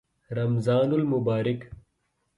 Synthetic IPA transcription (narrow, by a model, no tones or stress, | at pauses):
ɾɐmzaːnulmubaːɾik